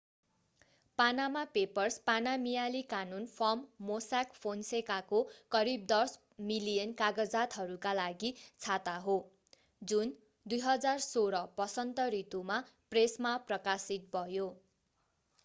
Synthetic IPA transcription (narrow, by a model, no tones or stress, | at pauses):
panamapepʌrspanamijalikanunpʰʌmːosakpʰonsekakokʌɾib̚d̪ʌrs | milijʌnkaɡʌd͡zat̪ɦʌɾukalaɡit͡sʰat̪aɦo | d͡zun | d̪ujɦʌd͡zarsoɾʌpʌsʌnt̪ʌrit̪umapresmaprʌkasit̪̚bʱʌjo